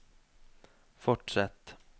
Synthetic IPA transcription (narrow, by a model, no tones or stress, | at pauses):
fɔʈʂɛt̪ː